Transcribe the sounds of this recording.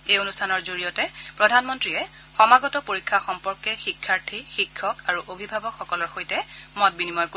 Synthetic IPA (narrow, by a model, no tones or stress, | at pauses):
ejonustʰanɔɹzoɹijɔtɛpɹɔdʱanmɔntɹiɛ | xɔmaɡɔtɔpoɹikʰːaxɔmpɔɹkɛxikʰːaɹtʰixikʰːɔkaɹuʔobʱibʱabɔkxɔkɔlɔɹxojtɛmɔt̚binimɔjko